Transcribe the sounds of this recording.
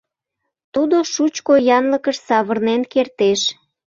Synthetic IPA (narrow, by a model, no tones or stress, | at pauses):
t̪ud̪oʃut͡ɕkojɑnləkəʃsɑβərnenkert̪eʃ